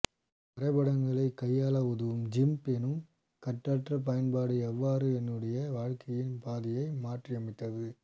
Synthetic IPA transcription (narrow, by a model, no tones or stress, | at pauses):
pɐɾɐɪbɐɽɐŋɡɐɭɐɪkːɐjːaːlɐʊðɯʋɯmd͡ʒɪmpɛnɯm | kɐʈːɐːʈrɐp̬ɐjɐnbaːɽɯɛʋːaːɾɯɛnːɯɽɐjɐʋaːɻkʰɐjɪnpaːðɪjɐɪmaːʈriɐmɪt̪ːɐðɯ